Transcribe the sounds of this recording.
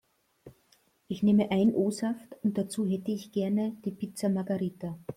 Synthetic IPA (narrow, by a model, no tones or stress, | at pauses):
ʔɪçneːməʔaɪnʔoːsaftʊnt̚d̥at͡suːɦɛtəɪçɡ̥ɛɐnəd̥iːpɪt͡sɐmaɐɡaʁiːtɐ